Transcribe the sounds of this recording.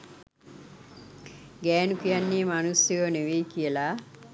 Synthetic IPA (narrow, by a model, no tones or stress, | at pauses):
ɡɛːnukijanːiːmanusjjoːneʋeːkijəla